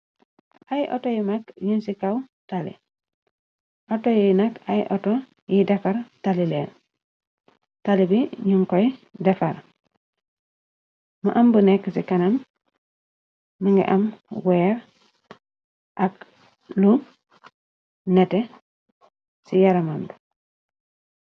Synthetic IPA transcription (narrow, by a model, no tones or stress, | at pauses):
ʔajʔo̰tojimakɲunsikawtalḭ | ʔotojinakajʔoto | jidakaɾtalilel | talibiɲuŋkojdefaɾ | ma̰ʔambunekːsikanam | uŋɡḭʔamweːɾ | ʔak | lu | nete | sijaɾamamdu